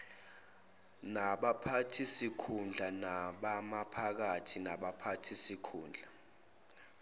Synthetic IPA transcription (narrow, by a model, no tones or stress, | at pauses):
naɓapʰatʰisikʰund͡ɮʱanaɓamapʰak̬atʰinaɓapʰatʰisikʰuːnd͡ɮʱa